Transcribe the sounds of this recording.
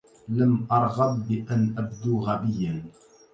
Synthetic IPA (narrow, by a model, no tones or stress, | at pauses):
lamʔɑɾˤɣɑbːɪʔanʔabd̪uːɣabɪjːan